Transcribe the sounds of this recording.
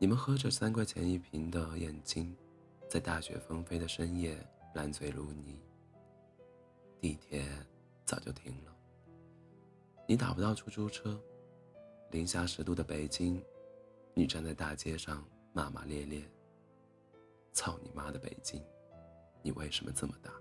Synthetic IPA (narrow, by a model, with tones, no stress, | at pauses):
ni˨˩mə˦nxɤ˧˥ʈ͡ʂɤ˥˩sa˥nkʰwɛ˥˩ɪt͡ɕʰjɛ̰˧˥ni˥˩pʰi˧˥ŋd̪ə˧jɛ˨˩nt͡ɕi˥ŋ | t͡sa˥˧ɪt̪a˥˩ɕɥɛ̰˧˥fə˥ŋfe˥ɪd̪ə˨ʂə˥ŋjɛ˥˩la˧˥nt͡sʰwe˨˩ɪlu˧˥ni˨˩˦ | t̪i˥˩i˥˩t̪ʰjɛ˥n | t͡sɑ˨˩ʊt͡ɕjo˥˩ʊt̪ʰi˧˥ŋlə˨ | ni˧˥t̪a̰˨˩pu˥t̪ɑ˥˧ʊu˥ʈ͡ʂʰu˥ʈ͡ʂʰɤ˥ | li˧˥ŋɕja˥ʂɻ̩˧˥t̪u˥˩d̪ə˩pe˨˩ɪt͡ɕi˥ŋ | ni˨˩ʈ͡ʂa˥˧nt͡sa˥˧ɪt̪a˥˩t͡ɕjɛ˥ʂɑ˥˧ŋ | ma˥˩ma̰˧ljɛ˥˧ljɛ˥˩ | t͡sʰɑ˥˩ʊnḭ˨˩ma˥d̪ə˨pḛ˨˩ɪt͡ɕi˥ŋ | nḭ˨˩we˥˩ɪʂə˧˥mə̰˧t͡sə˥˩mə˩t̪a˥˩